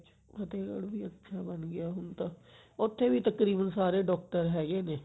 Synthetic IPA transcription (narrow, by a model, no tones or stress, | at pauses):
t͡ʃ | pət̪eːkə̰ɽʋiːətːʃʰaːbənɡɪjaːɦʊnt̪ãːʊt̪ʰːeːʋiːt̪əkɾiːbənsaːɾeːɖɔːk̚ʈəɾɦɛːɡeːneː